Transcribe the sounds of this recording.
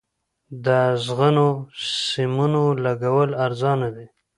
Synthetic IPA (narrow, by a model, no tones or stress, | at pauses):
d̪əzɣənosɪmunolaɡawəlaɾzɑnawi